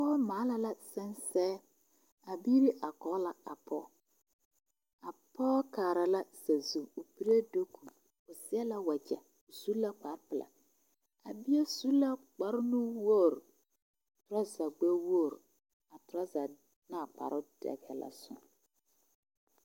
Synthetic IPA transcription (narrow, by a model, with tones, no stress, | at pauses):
pɔ˦maː˨˦la˨la˦sɛ˦nsɛː˦ | a˨biː˦ɾi˦ʔa˨kɔ˨˦la˨a˨pʰɔː˦ | a˨pɔː˦kaː˨ɾa˨la˦sa˨zuː˨pi˦ɾe˦do˦ku˨ | ʊ˨sɪ˦a˦la˦wa˨d͡ʒɛ̰˨ | ʊ˨su˦lːa˦k͡pa˨˦ɾpɪ˨la̰˨ | a̰˨bɪ˦a˦su˦lːa˦k͡pa˨˦ɾnu˦wo˦˨ɾ | tʊ˨ɾa˦za˨ɡ͡ba˦wo˦˨ɾ | a˨tʊ˨ɾa˦za˨ | na˦˨k͡pa̰˨ɾʊ˦d̥ɛ̰˨ɡɛ̰˨la̰˨sʊ̰˦ŋ